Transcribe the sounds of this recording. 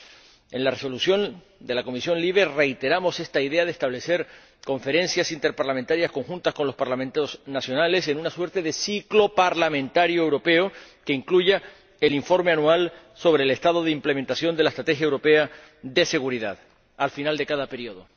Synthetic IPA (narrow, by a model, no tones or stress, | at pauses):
e̞nlareso̞lusjo̞n | d̪e̞lako̞misjõ̞nliβ̞e̞re̞jt̪e̞ɾamo̞se̞st̪aiðe̞að̞est̪aβle̞se̞ɾ | ko̞ɱfe̞ɾẽ̞nsjasint̪e̞ɾpaɾlamẽnt̪aɾjasko̞ŋxũnt̪asko̞nlo̞spaɾlament̪osnasjo̞nale̞se̞nunaswe̞ɾt̪e̞ðe̞siklo̞paɾlamẽ̞nt̪aɾjoewɾo̞pe̞okeiŋkluʝa | eliɱfo̞ɾme̞anual | so̞βɾe̞ːle̞st̪aðo̞ðeimple̞ment̪asjo̞nd̪elaest̪ɾat̪e̞xjaewɾo̞pe̞a | ðe̞se̞ɣuɾiða̰ð | alfinald̪e̞kaðape̞ɾioð̞o̞